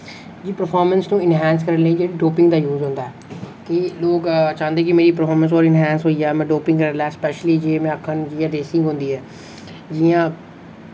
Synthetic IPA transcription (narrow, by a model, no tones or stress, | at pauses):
d͡ʒiːpəɾpʰɔːɾmənsnũːɪnɦɛ̃ːnskəɾənəiːd͡ʒeːɽiɖoːpɪ̃ŋɡd̪aːjuːzɦõːnd̪aːɛː | kɪloːkt͡ʃãːnd̪eːkɪmeːɾiːpəɾfʰɔːɾmə̃ns̬oːɾɪnɦɛ̃ːnsɦoːiɛːmɛ̃ːɖoːpɪ̃ŋɡkəɾəlaɛːspɛːʃəliːd͡ʒeːmɛ̃ːəkʰːənd͡ʒiːãːɖeːsɪ̃ŋɡɦʊ̃ːnd̪iːɦɛː | d͡ʒiːãː